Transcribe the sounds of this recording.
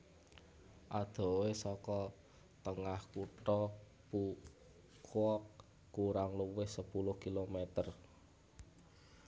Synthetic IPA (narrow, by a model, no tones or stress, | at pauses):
ʔad̪̥ɔ̤wesɔkɔ | t̪əŋahkuʈɔ | pu | kʰwɔkː | uɾaŋluwɪhsəpulʊhkilomet̪ər